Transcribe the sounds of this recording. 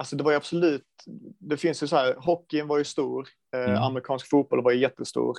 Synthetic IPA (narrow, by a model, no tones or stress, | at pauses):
alsɔd̪ɛvaɾjab̥sɔlʉ̟ːt̪d̪ɛfɪnsjɵsɔhæːɾɦɔkːɪnvaɾjɵst̪uːɾ | a̰mɛɾɪkʰɑːnskfuːt̪̚bɔlvaɾjjɛt̪ːəst̪ṵːɾ